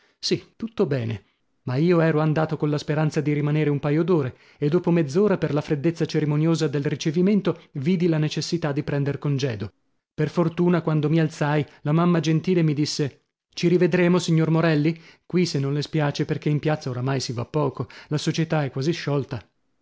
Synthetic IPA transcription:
sit̪ut̪ːobɛːne | maiːoɛːɾoand̪aːt̪okonlaspeɾant̪sad̪iɾimaneːɾeumpajod̪oːɾe | ed̪ːoːpomed̪zːoːɾaperlafɾed̪ːet̪sːat͡ʃeɾimonjoːzad̪elrit͡ʃeviment̪oviːd̪ilanet͡ʃesːit̪ad̪ːipɾɛnd̪erkond͡ʒɛːd̪o | perfort̪uːnakwand̪omialt̪sajlamamːad͡ʒent̪iːlemid̪isːe | t͡ʃiɾived̪ɾeːmosiɲːormoɾɛlːikwisenːõnlespjaːt͡ʃeperk̟eimpjat̪sːaoɾamajsivapːɔːkolasot͡ʃet̪aɛkːwaziʃːɔlt̪a

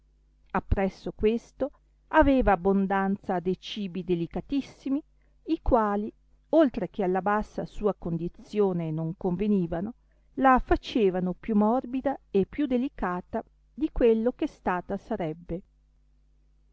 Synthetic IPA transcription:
apːɾɛsːokwest̪o | aveːvaːbːond̪ant̪sad̪ejt͡ʃiːbid̪elikat̪isːimi | ikwaːli | olt̪ɾek̟ealːabasːa̰suːakond̪it̪sjoːnenoŋkoɱveniːvano | lafat͡ʃeːvanopjumɔrbid̪aepːjud̪elikaːt̪a | d̪ikwelːokest̪aːt̪asaɾɛbːe

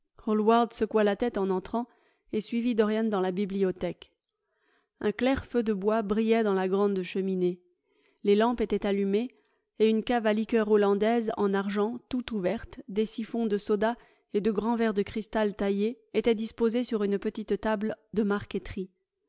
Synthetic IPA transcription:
ɔlwaʁd̪səkwalat̪ɛt̪ɑ̃nɑ̃t̪χɑ̃ | esɥivid̪ɔʁjand̪ɑ̃labibliɔt̪ɛk | ɛ̃klɛʁfød̪əbwabʁijɛd̪ɑ̃laɡʁɑ̃d̪ʃəmine | lelɑ̃pet̪ɛt̪alyme | eynkavalikʲœʁolɑ̃d̪ɛzɑ̰̃naʁʒɑ̃t̪ut̪uvɛʁt̪d̪esifɔ̃d̪əsɔd̪a | ed̪əɡʁɑ̃vɛʁd̪əkχist̪alt̪aje | et̪ɛd̪ispozesyʁynpət̪it̪t̪abld̪əmaʁkʲet̪χi

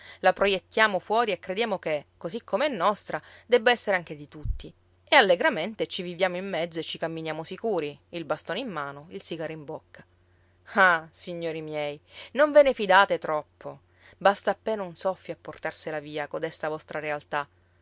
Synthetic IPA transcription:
lapɾojet̪ːjaːmofwɔːɾiekːɾed̪jaːmokekːozikʰːomeɛnːɔst̪ɾad̪ɛbːaɛsːeɾeaŋk̟ed̪it̪ut̪ːi | ealːeɡɾament̪et͡ʃivivjaːmoimːɛd̪zːoet͡ʃːikamːinjaːmosikuːɾiilbast̪oːneimːaːnoilsiɡaɾoimbokːḁ | asiɲːoːɾimjɛjnoɱvenefid̪aːt̪et̪ɾɔpːo | bast̪aːpːeːnaunsɔfːjoapːort̪arselaviːakod̪ɛst̪avɔst̪ɾaɾealt̪a

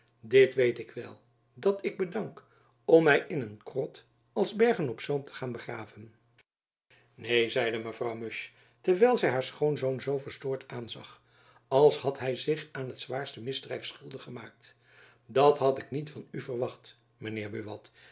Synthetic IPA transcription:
dɪtʋejtɪkʋɛ̰lˠ | dɑtɪɡ̚bədɑŋk | ɔmɛjʔɪnənkrɔt | ɑlˠzbɛɹχənɔpsowmtʰə̥χaːnbəχraːvən | nejzɛjdəməvrɑwmɵʃ | tɛɹʋɛjlˠzɛjɦaːɹsχownzownzowvəɹstʊːɹtaːnzɑ̰χ | ɑlˠshɑtɦɛjzɪχaːnɦətzʋaːɹstəmɪzdrɛjfsχɵlˠdəχəmaːk̚t | dɑtɦɑtɪknitfɑnyvərʋɑχt | mənɪːɹbyʋɑ̰t

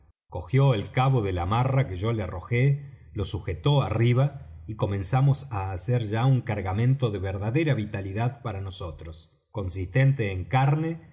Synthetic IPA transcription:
ko̞xjo̞elkaβo̞ðelamarakeʒo̞learo̞̰xe | lo̞suxet̪o̞ariβ̞aiko̞mẽ̞nsamo̞saːseɾʒauŋkaɾɣamẽ̞nt̪o̞ðeβeɾðaðe̞ɾaβit̪aliðaðpaɾano̞so̞t̪ɾos | ko̞nsist̪e̞nt̪eːŋkaɾne

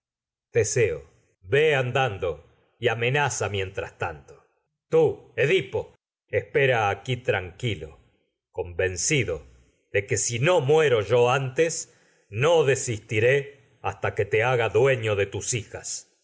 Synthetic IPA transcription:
d̪̥eseo̰ | βeand̪and̪o̞ | iame̞nasamje̞nt̪ɾa̰st̪ant̪o̥ | t̪ueðipo̞ | espeɾaːkit̪ɾaŋkilo̰ | ko̞mbe̞nsiðo | ðeke̞sino̞mwe̞ɾo̞ʒoant̪es | no̞ðesist̪iɾe | a̰st̪ake̞t̪eaɣaðwe̞ɲoðe̞t̪usixas

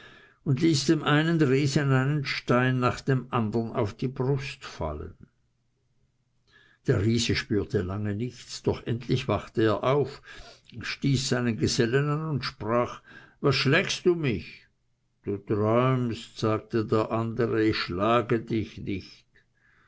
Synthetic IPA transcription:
ʊndliːsd̥eːmʔaɪnənʁiːzəanaɪnənʃtaɪnːaːχd̥eːmʔandɐna̰ʊfd̥iːbʁʊstfa̰lə̰n | d̥eːɐʁiːzəʃpyːɐtʰəlaŋənɪçt͡sd̥ɔχʔɛntʰlɪçv̥aχtəeːɐʔaʊf | ʃtiːsz̥aɪnənɡəzɛlənanʊntʃpʁaːχvasʃlɛksd̥uːmɪç | d̥uːtʁɔʏmstz̥aːk̚tədeːɐʔandəʁəɪçʃlaːɡədɪçnɪçt

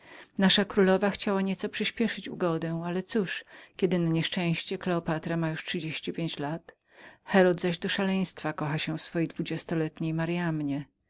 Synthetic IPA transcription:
naʂakɾulɔvaxt͡ɕawaɲɛt̪sɔpʂɘɕpʲjɛʂɘt͡ɕṵɡɔd̪ɛ̃alɛt̪suʂkʲɛd̪ɘnaɲɛʂt͡ʂɛ̃w̃ɕt͡ɕɛklɛɔpat̪ɾamajuʂtʂɨd͡ʑeɕt͡ɕipʲjeɲt͡ɕlat̪ | xɛɾɔd̪zaʑd̪ɔʂalɛj̃st̪fakɔxaɕɛfsfɔjejd̪vud͡ʑɛst̪ɔlɛt̪ɲejmaɾjamɲɛ

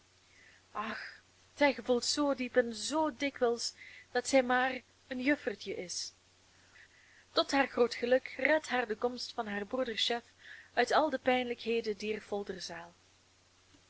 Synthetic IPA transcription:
ɑx | z̥ɛjɣəvulˠtsoːdipɛnzoːdɪkʋɛlˠsd̥ɑtsɛjmaːr | ənjɵfərtəʔɪs | tɔtɦaːrχroːtxəlɵkrɛtɦaːrdəkɔmstfɑnɦaːrbrudərsɛfœɥtɑlˠdəpɛjnləkɦeːdədiːrv̥ɔlˠdərzaːlˠ

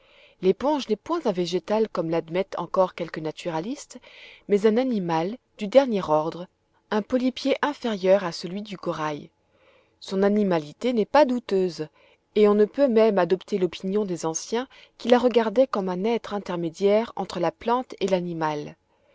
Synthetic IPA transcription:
lepɔ̃ʒnɛpwɛ̃zɛ̃veʒet̪alkɔmlad̪mɛt̪ɑ̃kɔʁkʲɛlkənat̪ʰyʁalist̪mɛzɛ̃nanimald̪yd̪ɛʁnjɛʁɔʁd̪ʁ | ɛ̃pɔlipjeʔɛ̃feʁjœʁasəlɥid̪ykɔʁaj | sɔ̃nanimalit̪enɛpad̪ut̪øz | eɔ̃nəpømɛmad̪ɔpt̪elɔpinjɔ̃d̪ezɑ̃sjɛ̃ | kʲilaʁəɡaʁd̪ɛkɔmɛ̃nɛt̪χɛ̃t̪ɛʁmed̪jɛʁɑ̰̃t̪χəlaplɑ̃t̪elanimal

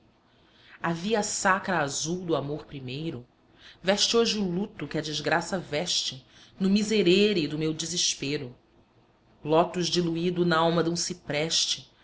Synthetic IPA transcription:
aviɐsakɾɐazuwd̪ʊamoχpɾimejɾʊ | vɛʃt͡ʃɪoʒɪulut̪ʊkɪɐd͡ʒɪzɡɾasɐvɛʃt͡ʃɪ | nʊmizeɾeɾɪd̪ʊmewd͡ʒiziʃpeɾʊ | lɔt̪ʊʒd͡ʒiluid̪ʊnɐawmɐd̪ũsipɾɛʃt͡ʃɪ

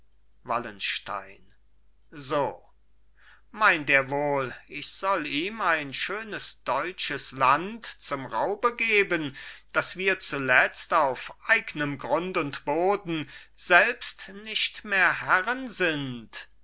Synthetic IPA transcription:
va̰lənʃta̰ɪn | zoː | maɪnteːɐvoːlʔɪçz̥ɔliːmaɪnʃøːnəsd̥ɔʏt͡ʃəslantt͡sʊmʁaʊbəɡeːbənd̥asv̥iːɐt͡sulɛt͡staʊfʔaɪɡnəmɡʁʊntʊntb̥oːdn̩z̥ɛlpstnɪʃtmeːɐɦɛʁənzɪnt

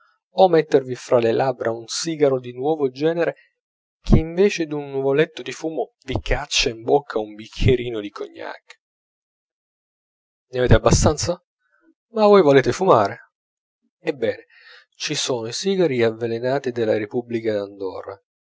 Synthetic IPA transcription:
omɛt̪ːervifɾalelabɾʔaunsiːɡaɾod̪inwɔːvod͡ʒɛːneɾe | k̟ʰeiɱveːt͡ʃed̪unːuvolet̪ːod̪ifuːmovikat͡ʃːaimbokʰːaumbikʲʰːeɾiːnod̪ikʰo̰ɲːa̰k | neaveːt̪eabːast̪ant̪sa | mavojvoleːt̪efumaːɾe | ebːɛːne | t͡ʃisoːnoisiːɡaɾiavːelenaːt̪id̪elːaɾepublikad̪and̪ɔ̰ra̰

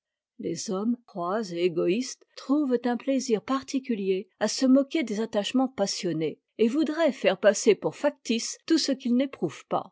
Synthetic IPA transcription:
lezɔmχwazeeɡɔist̪χuvt̪ɛ̃pleziʁpaʁt̪ikʲyljeasəmɔkʲed̪ezat̪aʃmɑ̃pasjɔne | evud̪ʁɛfɛʁpasepuʁfak̚t̪ist̪usəkʲilnepχuv̥pa̰

